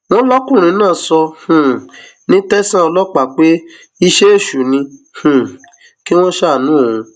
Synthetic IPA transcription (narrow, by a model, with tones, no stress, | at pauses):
w̃ɔ̃˦lɔ˦kũ˦˨ɾ̃ĩ˧˦nãː˦˨sɔ˧h̩˨ | nĩ˦tɛ˦sã˦ɔ˧lɔ˦k͡pa˦˨k͡pe˦ | i˧ʃe˦e˦˨ʃu˨nĩ˧h̩˨ | ki˦w̃ɔ̃˦ʃa˦˨nũ˨˦o˦˨ũ˧